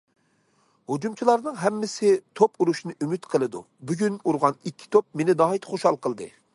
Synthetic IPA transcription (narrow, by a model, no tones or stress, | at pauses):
hod͡ʒumt͡ʃʰilˠɑɾnɨŋɦɛmːɪsɪt̪ʰopuɾuʃnɨʔymyt̪qʰəlˠɨd̪ṵ | byɡʲynuɾʁɑnikʲʰːi̥t̪ʰop̚menɪd̪ɑːɦit̪χoʃhɑlˠqʰəlˠd̪ɨ̰